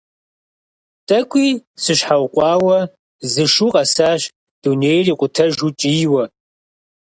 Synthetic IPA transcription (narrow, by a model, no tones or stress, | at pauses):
tʼɐkʷʼiːsɨɕħawqʷʼɑːwɐ | zɨʃuːqʼɐsaːɕ | d̥uneːjriːqʷʼʊtʰɐʒut͡ʃʼiːwɐ